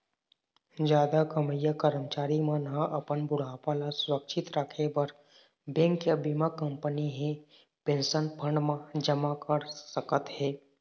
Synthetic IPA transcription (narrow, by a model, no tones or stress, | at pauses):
d͡ʒjaːd̪akəməjəkəɾəmt͡ʃaːɾimãnʔɐpənbʊɽapalaswəkʃʰɪt̪ɾakʰebəɾ | bɛ̃ːŋkjabimakə̃mpəniɦẽ | pẽnsənpʰə̃ɳɖmãd͡ʒəmakəɾsəkət̪ɦɛː